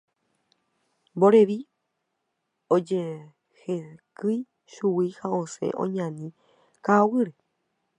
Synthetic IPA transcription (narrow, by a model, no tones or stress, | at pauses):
mboɾeʋi | od͡ʒe | hekɨj | ʃuwihaosḛʔõ̰ɲãnĩ | kawɨɾe